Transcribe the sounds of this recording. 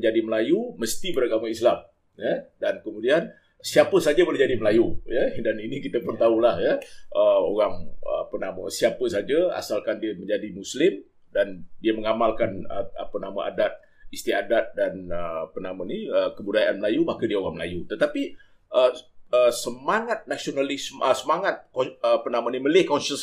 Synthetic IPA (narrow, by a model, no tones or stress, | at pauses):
ɲd͡ʒadiməlajuməst̪ibəɾaɡamaislam | jədankəmudian | siapəsad͡ʒabolɛhd͡ʒadiməlajujədaninikit̪əpʊnt̪aulahjəəoɣaŋapənaməsiapəsad͡ʒaa̰salkandiəməɲd͡ʒadimuslɪm | dandiəməŋamalkanə̰apənamə̰ʔa̰dat̪̚ | ist̪iadat̪̚danəpənamãniəkəbudajaʔanməlajumakədiəoɣaŋməla̰jut̪ət̪api | əəsəmaŋat̪̚nasionalɪsməsəmaŋat̪̚kəpənaməniməlɪhkɔnʃəs